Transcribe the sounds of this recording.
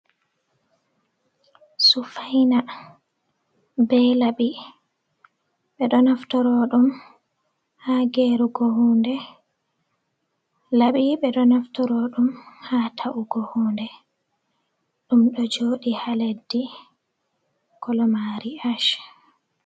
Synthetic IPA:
sufajna | bɛjlaɓi | ɓɛɗɔnaftɔɾɔɗum | haːɡeːɾuɡohuːndɛ | laɓiɓɛɗɔnaftɔɾoɗumhaːtʰaʔuɡohundɛ | ɗumɗɔd͡ʒoːɗihaledːi | kɔlɔmaɾiaʃ

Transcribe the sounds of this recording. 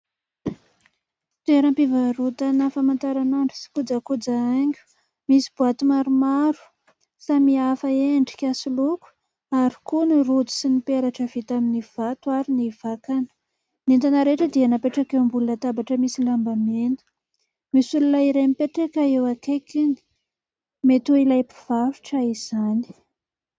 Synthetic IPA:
t̪eɾəmpivaɾut̪anafamant̪aɾanaɳɖ͡ʐusi̥kud͡zakud͡zaaŋɡʲu̥ | misi̥b̥uat̪umaɾumaɾu̥ | samiafəeɳɖ͡ʐi̥kʲasuluku̥ | aɾikunirud͡zi̥sinipeɾaʈ͡ʂəv̥it̪aminiv̥at̪uaɾiniv̥akanə̥ | nent̪anaɾeʈ͡ʂəd̪ianapeʈ͡ʂakewmbulunət̪abaʈ͡ʂəmisilambamenu̥ | misululaiɾemipeʈ͡ʂekaewakekini̥ | met̪uilajpi̥v̥afi̥ʈ͡ʂaiz̥ani̥

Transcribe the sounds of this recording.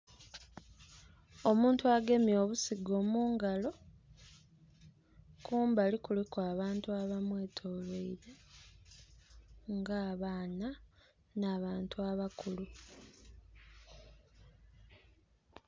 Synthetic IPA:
o̞muːntuaɡe̞mjo̞ːβusiɡo̞ːmuːŋɡalo̞ | kuːmbalikulekwaːβaːntuaβamwe̞ːtʰo̞ːleiɾe | ŋɡaːβaːna | naːβaːntuaβakulu

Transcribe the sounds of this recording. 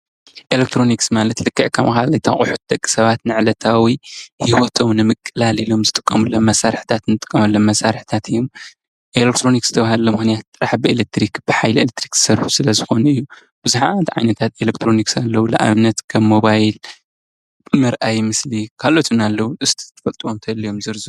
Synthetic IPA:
ʔelek̚t̪ʰɾo̞niksmalɐt̪lɨkʰːɨʕkʰɐmʔaxalɐt̪ʰaχʼuħu̥t̪̚d̪ɐkʼːi̥sɐβat̪nɨʕlɐt̪ʰawihiwot̪ʰo̞mnɨmɨkʼːɨlalilo̞mzɨt̪ʼɨ̥kʼːɐmulːomːɐsaɾħt̪ʰat̪nɨt̪ʼɨ̥kʼːɐmɐlːomːɐsaɾħt̪ʰat̪ɨjːom | ʔelek̚t̪ʰɾo̞nikzɨt̪ʰɐβahalːomɨxnijat̪̚t̪ʼɨɾaħbɨelek̚t̪ʰɾikb̥ɨħajlelet̪ʰɾikzɨ̥sɐɾħu̥sɨlɐzɨxo̞nɐɨjːu | b̥ɨzuħa̰nt̪ʕa̰jnɐt̪ʰat̪elekt̪ʰɾo̞niksalːɐwula̰ʔa̰βɨnːɐt̪kʰɐβːo̞βajl | mɨɾʔajmɨslikʰalo̞t̪ʰunalːɐwuʔɨst̪ʰi̥t̪ʰɐ̥fɐlt̪ʼuwomt̪ʰɐlːijo̞mzɨɾzu

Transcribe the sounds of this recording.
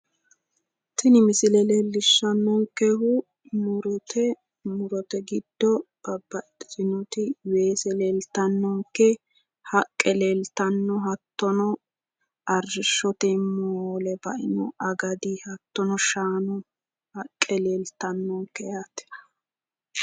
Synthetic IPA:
t̪ɪnɪmɪsɪlɛlelːɪʃːɐnːɔŋkɛɦʊ | mʊɾɔt̪ʰɛ | mʊɾɔt̪ɛɡɪd̪ːɔb̥ɐbɐt̪ʼsʼɪnɔt̪ɪweːsɛleːlt̪ɐnːɔŋkːɛ | hɐkʼːɛleːlt̪ɐnːɔɦɐt̪ːɔnɔ | ʔɐrːɪʃːɔt̪ɛmoːlɛbɐʔɪnɔ̰ʔɐɡɐd̪ihɐt̪ːɔnɔʃaːnɔ | hɐkʼːɛleːlt̪ɐnːɔŋkːɛjaːt̪ɛ̥

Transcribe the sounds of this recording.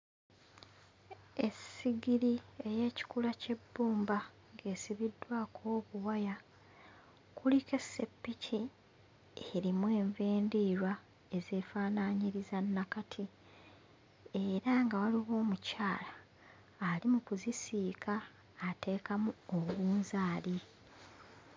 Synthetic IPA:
e̞siɡiɾie̞je̞ːci̥kulace̞bːuːmba | ŋɡe̞ːsiβidːwaːkʰo̞ːβuwaja | kulike̞sːe̞pːicʰi | eɾimwe̞ːɱveːndiːɾwa | e̞ze̞ːfaːnaɲiɾizanːakatʰi | e̞ɾaŋɡawaliɣo̞ːmucaːlaː | limukuzisiːkaː | te̞ːkamuoβuːnzaːli

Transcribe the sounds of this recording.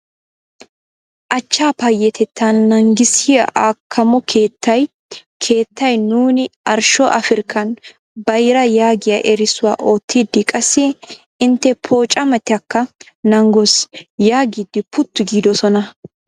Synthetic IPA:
ʔɐt͡ʃːaːpɐjːɛt̪ʰɛt̪ʰːɐnːɐŋɡɪsɪjɐ̰ʔaːkʰːɐmɔkʰeːt̪ːɐj | kʰe̞ːt̪ːɐjnuːnɪʔɐɾʃɔʔɐfɪɾkʰːɐn | bɐjɾɐjaːɡɪjɐʔɛɾɪsʊwa̰ːʔoːt̪ːiːd̪ːɪkʼɐsːɪ | ɪnt̪ːɛpʰo̞ːt͡ʃʼːɐmɐt̪ɪɐkːɐ | nɐŋɡosjaːɡiːd̪ːɪpʊt̪ːʊɡiːd̪ɔsɔnɐ

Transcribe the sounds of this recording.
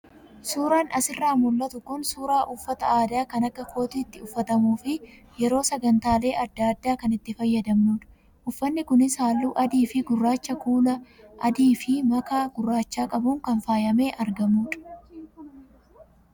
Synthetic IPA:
suːɾaːnʔɐsɪrːaːmʊlːɐt̪ʊkʊnsuːɾaːʔʊfːɐt̪ɐaːd̪aːkɐnɐkːɐko̞ːt̪iːt̪ːɪʊfːɐt̪ɐmuːfɪ | jɛɾo̞ːsɐɡɐnt̪aːle̞ːʔɐd̪ːaːd̪ːaːkɐnɪt̪ːɪfɐjːɐd̪ɐmnuːᶑɐ̥ | ʔʊfːɐnːɪkʊnɪsaːlːuːʔɐd̪iːfɪɡʊrːaːt͡ʃːɐkuːlɐ | ʔɐd̪iːfɪmɐkaːɡ̥ʊrːaːt͡ʃːaːkʼɐbʊŋkɐnfaːjɐme̞ːʔɐɾɡɐmuːᶑɐ̥

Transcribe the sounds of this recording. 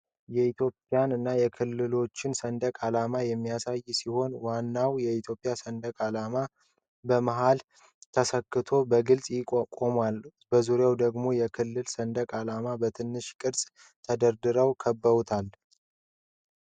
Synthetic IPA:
jɛit̪jo̞pʼːijanɨnːajɛkʰɨlːɨlo̞t͡ʃːɪnsənd̪əkʼalamajɛmːijasajːsiho̞nwanːawjɛit̪ʰjo̞pʼːjasənd̪əkʼalama | bəmaɦal | t̪ʰəsəkːɨt̪ʰo̞bəɡɨlsʼjɪkʼokʼomwalbəzuɾjawd̪əɡmo̞jɛkʰɨlːɨlsənd̪əkʼalamabət̪ʰɨnːɨʃkʼɨɾsʼ | t̪ʰəd̪əɾd̪ɨɾəwkʰəbːəβut̪ʰal

